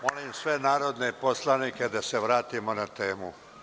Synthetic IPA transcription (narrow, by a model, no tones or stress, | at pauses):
molimsʋenaːɾod̪neposlaniːke̞d̪aseʋɾaːt̪imonat̪e̞ːmu